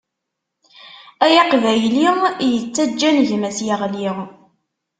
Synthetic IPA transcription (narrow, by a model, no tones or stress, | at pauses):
æjɑqvæjliʁjət͡sːæd͡ʒːænʝmæsjæʁliʁ